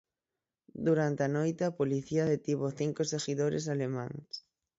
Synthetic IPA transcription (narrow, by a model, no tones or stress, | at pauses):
d̪uɾant̪eanojt̪ɪapoliθiaðet̪iβoθiŋkoseɣiðoɾḛs̬alemã̰ŋs